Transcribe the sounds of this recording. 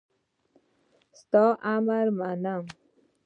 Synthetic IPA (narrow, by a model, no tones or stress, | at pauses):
st̪ɔʔamaɾmanam